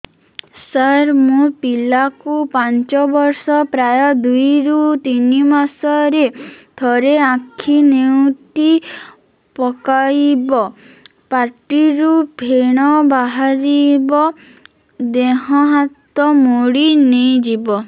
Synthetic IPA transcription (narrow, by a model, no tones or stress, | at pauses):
saɾmũpilakupant͡ʃɔbɔɾsɔpɾajɔd̪ujɾut̪inimasɔɾed̪̥ʰʱɔɾeãkʰinewt̪i | pɔkajbɔ | paʈiɾubʱeɽ̃ɔbaɦaɾibɔ | d̪eɦɔɦat̪ɔmoɽinejd͡ʒibɔ